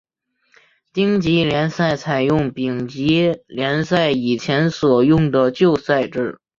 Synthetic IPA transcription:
t̪i˥ŋt͡ɕi˧˥ljɛ˧˥nsa˥˩ɪt͡sʰa˨˩ɪjʊ˥˩ŋpi˨˩ŋt͡ɕi˧˥ljɛ˧˥nsa˥˩ɪi˨˩t͡ɕʰjɛ˧˥nswɔ˨˩jʊ˥˩ŋd̪ə˩t͡ɕjo˥˧ʊsa˥˧ɪʈ͡ʂɻ̩˥˩

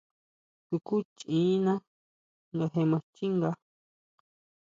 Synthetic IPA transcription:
t̪u˧ku˦t͡ʃĩː˨˦nã˦ | ŋɡa˧ɦe˧mã˧t͡ʃi˦ŋɡa˧

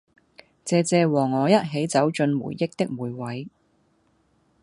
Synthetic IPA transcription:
t͡sɛː˧t͡sɛː˧wɔː˨˩ŋːɔː˨˧jɐ˥t̚ɦe˨˥jt͡sɐ˨˥wt͡ʃɵ˧nmṵ˨˩jːɪ˥k̚t̪ɪ˥k̚muː˨˥jwɐ˨˥j

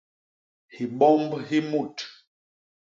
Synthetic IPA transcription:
hi˨ɓɔ˦mbhi˦mu˦˨t

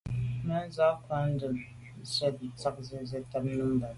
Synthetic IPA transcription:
ma˦n˦za˦ka˦n˦dɨ˨m˨ | sa˦bi˨ta˦k̚zɛ˦zɛ˦ta˦bnɨ˦mba˨

